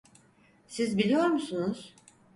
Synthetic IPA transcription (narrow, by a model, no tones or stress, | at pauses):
sizbilʲijo̞ɾmusunuz̥